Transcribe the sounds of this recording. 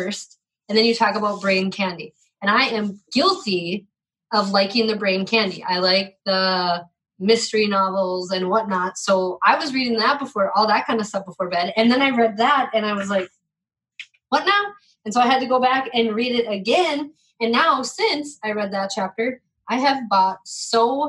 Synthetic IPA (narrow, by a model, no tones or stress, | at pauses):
st̚ | ɨ̃nðɨ̃njɨtʰɔkəbaʊt̚b̥ɹẽɪ̃nkʰæ̃ndi | ɨ̃ɾ̃aɪɨ̃mɡ̥ɪlˠtʰi | ʌvlaɪkɪ̃ŋðɨbɹẽɪ̃nkʰæ̃ndiʔa̰ɪlaɪk̚ðə | mɪstə˞inɑvl̩ˠzɨ̃nwʌtⁿnətsoʊʔaɪwʌzɹiɾɪ̃ŋðət̚b̥əfɔɹʔɔlˠðət̚kʰãɪ̃ndəstʌfb̥əfɔɹbɛ̃ɾɨ̃nðɨ̃naɪɹɛd̪̚ðæt̚ɨ̃naɪwʌzlaɪk̚ | wʌtⁿnaʊ | ɨ̃nsoʊaɪɨd̚tɨɡoʊbækɨ̃nɹiɾɪɾɨɡɛ̃n | ɨ̃nːaʊsɪ̃nsaɪɹɛd̪̚ðɨt̚t͡ʃʰæp̚tə˞ | ʔaɪɨvbɔt̚soʊ